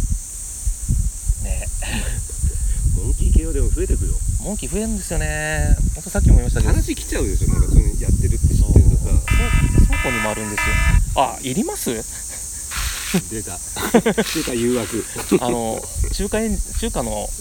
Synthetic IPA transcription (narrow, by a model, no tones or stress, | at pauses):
nḛ | mõŋkʲikeːod̪e̞moɸɯ̟e̞t̪e̞kɯ̟jo̰mõŋkʲiɸɯ̟e̞ɾɯ̟nd̪e̞sɨjo̞ne̞hõnt̪osakʲiomimaɕi̥t̪aɡanaɕikʲi̥t͡ɕaɯ̃nd̪esonãkasojat̪ːe̞ɾɯ̟t̪ːesoeka̰osokoɲ̟imo̞aɾɯ̟̃nd̪e̞sɨjoeaiɾʲimasɨ | d̪et̪a | d̪ek̪ajɯːakɯ̟anoɕɨːkaiɕɨːkãnːo̞